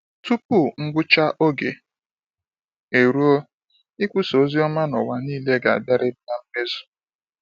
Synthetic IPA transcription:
tu˦pu˦˨ŋ̩˦ɡ͡bʊ˦t͡ʃa˦ʔo˦ɡḛ˨ | e˨ɾu˦o˦ | ɪ˦kʷʊ˦so˨˦zi˦ɔ˦ma˦nɔ˨wa˨niː˦le˦ɡa˨a̰˨da˦ɾɪ˦bna˦m̩˦me˦zu̥˨

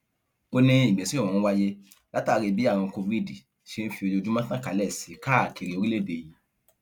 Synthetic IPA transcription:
o˧nĩ˧ĩ˨ɡ͡bɛ̃˨sĩ˦˨ɔ̃˨n̩˦wa˦je˦ | la˦taː˦˨˦ɾi˧bi˦a˦˨w̃ɔ̃˧ko˧vi˦di˨ | ʃe˧n̩˦fi˧o˧jo˧d͡ʒu˦mã˦tã˦ka˨˦lɛ˦˨si˨˦ka˦˨kʰi˨ɾi˨o˧ɾi˦le˦˨be˧˨ji˨˦

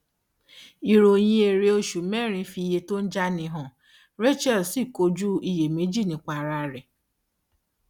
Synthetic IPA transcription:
i˨ɾo˨ɲe˦e˨ɾe˦o˦ʃu˨˦me˦ɾĩ˨˦fi˨˦je˦to˦n̩˦d͡ʒa˦nɪ˨ɦɔ˨ | ɾe˦t͡ʃɛ˦˨lsi˦˨ko˦d͡ʒu˦˨i˦je˨me˨˦d͡ʒi˦˨nĩ˨kʷa˨ɾa˨ɾɪ˨

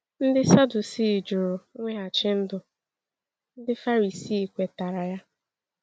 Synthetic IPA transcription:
n̩˦dɪ˦sa˦du˨si˦˨d͡ʒʊ˨ɾʊ˨ŋʷe˦a˨t͡ʃɪ˦n̩˦dʊ˨ | n̩˦dɪ˦fa˦ɾi˨si˦˨kʷe˨ta˨ɾa˨ja˦

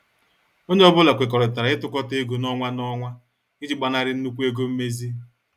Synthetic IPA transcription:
o˦ɲe˦ɔ˦bʊ˦la˨kʷɪ˨kɔ˨ɾɔ˨ta˨ɾa˨ɪ˦tʊ˦kɔ˦te˦ɡu˨nɔ˦ŋʷa˦nɔ˦ŋʷa˦ | ɡɪ˦d͡ʒi˨ɡ͡ba˨na˦ɾɪ˦n̩˦nu˦kʷu˦e˦ɡo˦m̩˦me˦zi˦

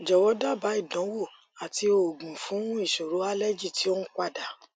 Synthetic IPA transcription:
d͡ʒɔ˨wɔ˨˦da˦˨ba˨˦i˦˨dɔ̃˨˦wo˦˨ | a˨ti˧o˨ɡũ˨fũ˨˦i˦˨ʃo˨ɾo˨˦a˦lɛ˦d͡ʒi˦˨ti˨˦o˦ñ̩˦k͡pa˦˨da˨˦

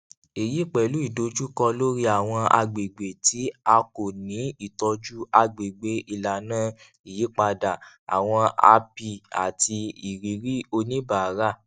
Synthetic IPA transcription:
e˨ji˨˦k͡pɛ˨lu˨˦i˦˨do˨˧d͡ʒu˦kɔ˧lo˦ɾi˦a˨w̃ɔ̃˧a̰˧ɡ͡be˨ɡ͡be˨ti˨˦a˧ko˨nĩ˨˦i˦˨tɔ˧d͡ʒu˦a˧ɡ͡be˨ɡ͡be˨˦ʔi˧˨la˨nãː˦˨ | i˨ji˨˦k͡pa˧da˨a̰˨w̃ɔ̃˧a̰˧pi˧a̰˨ti˧i˨ɾi˨˦ɾi˦o˧nĩ˦ba˨a˨˦ɾa˦˨

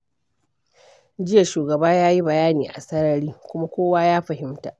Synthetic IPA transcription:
d͡ʒɪ˦jɐ˨ʃuː˨ɡɐ˨baː˦jaː˦ji˦bɐ˨jaː˦niː˨ʔa̰˨sɐ˦ɽɐ˦ɽiː˦kʷʊ˦ma˦kʷoː˦waː˦jaː˦ɸɐ˨ɦɪ˦mta̰ː˨ʔ

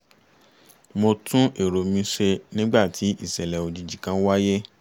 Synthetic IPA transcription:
mo˧tũ˦ʔe˨ɾo˨mĩ˧˦ʃe˧nĩ˦ɡ͡ba˦˨tʰi˨˦ʔi˦˨sɛ˨lɛ˨o˨d͡ʒi˧d͡ʒi˨kã˨˦wa˦je˦

